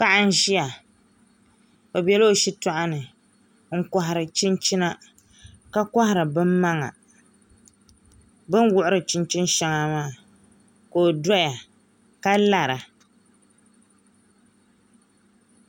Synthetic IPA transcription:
pa˦ʔa˦n̩˦ʒi˦a˨ | o˨bɛ˨lo˦˨ʃi˦tɔ˦ʔa˦nɨ˨ | ŋ̩˦ka˨ɦɪ˨ɾɨ˨t͡ʃɪ˦nt͡ʃi˦na˦ | ka˦ka˦hɪ˦ɾɨ˨bɨ˦mma˦ŋa̰˨ | bɨ˦nwʊ˦ʔʊ˦ɾɨ˨t͡ʃɪ˦nt͡ʃɪ˦n˦ʃɛ˦ŋa˦maː˦˨ | ko˨dɔ˦ja˨ | ka˦la˦˨ɾa˨

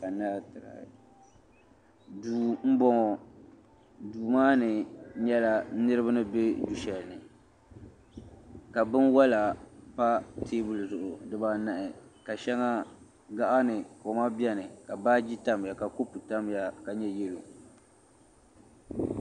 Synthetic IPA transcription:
ka˨naː˦˨tɨ˨ɾa̰˨ | duː˨m̩˦bɔ˦ŋɔ˨ | duː˨maː˦nɨ˨˦ɲɛ˦la˦nɨ˦ɾɨ˦ba˦nɨ˦be˦d͡ʒu˦ʃɛ˨lnɨ˨ | ka˨bɨ˦nwa˦la˨pa˦tʰeː˦bʊ˨lzʊ˨ʔʊ˨dɨ˦ba˦na˦ʔɪ˨ka˨ʃɛ˦ŋa˦ | ɡa˦ʔa˦nɨ˨ko˨ma˦bjɛ˦nɨ˨ka˨baː˦d͡ʒi˦ta˦m˨ja˨ka˨ko˦pu˨ta˦m˨ja˨ka˨ɲɛ˦jɛ˦lo˨

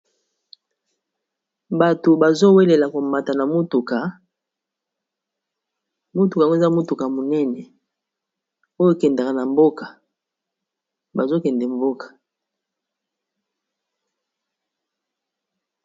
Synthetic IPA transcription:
ba˨to˨ba˨zo˦we˦le˨la˨ko˨ma˨ta˨na˨mo˦tu˨ka˨˦ | mo˦tu˨ka˨˦o˦˨za˦mo˦tu˨ka˨mo˨nɛ˦nɛ˨ | o˦jo˦kɛ˨nda˨ka˨na˨mbo˦ka˨ | ba˨zo˦kɛ˨ndɛ˨m˦bo˦kḁ˨

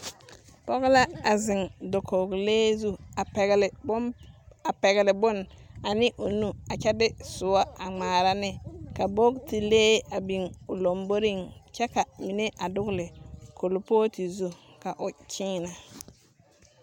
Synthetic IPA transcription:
pɔ˦ɣla˦a˨zɪ˨ŋdo˨kʰo˨ɡleː˦zu˦˨ɡlba˨pɛ˨ɣlɪ˨bʊ˦na˨nɪ˦ʔo˨nu˦a˨t͡ʃɛ˦dɪ˦sʊ˨wa˦a˨ŋ͡maː˨ɾa˦nɪ˦ka˨bo˦kti˨leː˦a˨bi˨ŋʊ˨lo˨mbo˦ɾi˦˨ŋt͡ʃɛ˦ka˨mi˨ne˦ʔa˨dʊ˦ɡlɪ˨kʰo˨lpoː˦ti˨zu˦ | ka˨ʔʊ˨t͡ʃʰiː˦na˨

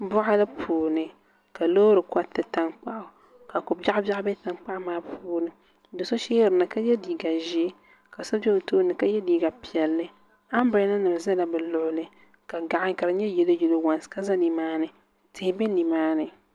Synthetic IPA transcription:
bʊ˦ʔa˦lɨ˦pʰuː˨nɨ˨ | ka˨loː˦ɾɨ˨ka˦tɨ˨ta˦ŋk͡pa˦ʔʊ˨ | ka˨kʊ˨ba˦ba˦bɛ˦ta˨ŋk͡pa˦ʔmaː˦puː˦nɨ˨˦ | dɨ˨so˦ʃɛː˦ɾɨ˨na˨ka˦jɛ˦diː˨ɡa˨ʒi˦ | ka˨sa˦bɛ˦o˨toː˦nɨ˨ka˦jɛ˦diː˦ɡa˨pi˨ɛ˨lːɨ˦ | a˦m˦ba˦na˦nɨ˨m˨za˦la˨bɨ˨lʊ˨ʔʊ˦lɨ˦ | ka˨ɡa˨ʔa˦ŋka˨ɾɨ˨˦ɲɛ˦jɛ˨lo˦jɛ˨lo˦wa˨nska˦za˦ni˨maː˦nɨ˨ | tɪ˨hɪ˦bɛ˦ni˨maː˦nɨ˨

